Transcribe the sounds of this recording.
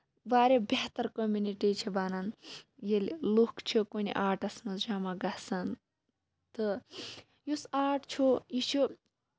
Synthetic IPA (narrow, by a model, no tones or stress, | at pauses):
baːɾʲebeɦt̪ɐɾkomuniʈit͡ʃʰibaːnɐnjelʲlukt͡ʃʰukonḭʔaːʈɐsmɐsd͡ʒaːmaɡɐsɐn | t̪ɨ | jusaːʈt͡ʃʰuit͡ʃʰu